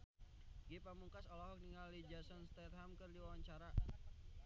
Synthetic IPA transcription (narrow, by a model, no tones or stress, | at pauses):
ɡipamuŋkasɔlaɦɔk̚niŋalid͡ʒasɔnst̪ɛt̪̚ɦamkərdiwawaɲt͡ʃaɾa